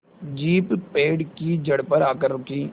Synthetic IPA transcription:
d͡ʒiːppeːɖkid͡ʒəɽpəɾaːkəɾːʊkiː

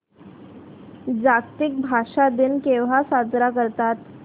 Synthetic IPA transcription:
d͡zakt̪ik̚bʱaʂad̪inkeʋ̤asad͡zɾakəɾt̪at̪

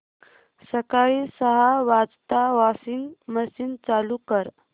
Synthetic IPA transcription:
səkaɭisəɦaʋad͡zt̪aʋasiːnməsiːnt͡salukəɾ

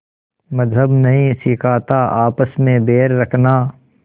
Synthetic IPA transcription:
mɐzɦəbnɐɦĩsɪkʰaːt̪aʔaːpəsmẽbeːɾːɐkʰnaː

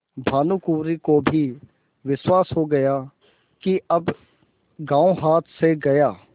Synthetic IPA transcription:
bʱaːnuːkuːɾikobʱi | ʋɪswaːsɦoːɡɐjaː | kiɐb | ɡãːõɦaːt̪ʰseɡɐjaː

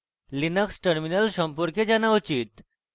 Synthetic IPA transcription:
linəksʈəɾminəlɕɔmpuɾked͡ʑanaut͡ɕiːt̪

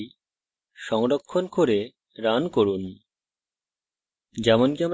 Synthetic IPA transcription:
ʃɔŋɾokʰːonkoɾe | ɾankoɾun | d͡ʑɛmonkiam

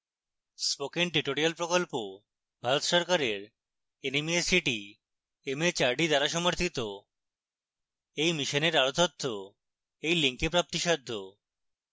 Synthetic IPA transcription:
spokenʈiʈoɾialpɾokolpo | bʱaɾot̪ʃɔɾkaɾeɾ | enimiesiʈi | emet͡ɕaɾɖid̪aɾaʃɔmoɾt̪ʰit̪o | ejmiʃoneɾaɾot̪ot̪ʰːo | ejliŋkepɾap̚t̪iʃɔd̪ʱːo

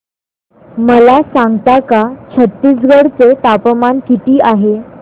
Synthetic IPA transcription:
məlasãŋɡt̪akat͡ɕʰət̪ːiːsɡəɽt͡set̪apmankit̪iːaɦe

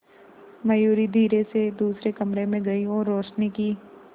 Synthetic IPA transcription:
mɐjuːɾid̪ʱiːɾesed̪uːsɾekɐmɾemẽɡɐiɔːɾːoːʃniki

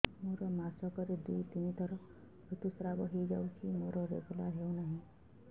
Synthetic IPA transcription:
moɾɔmasɔkɔɾed̪ujt̪init̪ɔɾɔ | bɾut̪usɾabɔɦejd͡ʒawt͡ʃʰimoɾɔɾḛɡulaɾɦewnaɦĩ

